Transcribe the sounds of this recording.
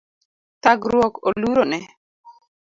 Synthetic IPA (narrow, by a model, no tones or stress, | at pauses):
t̪aɡɾwɔkoluɾonɛ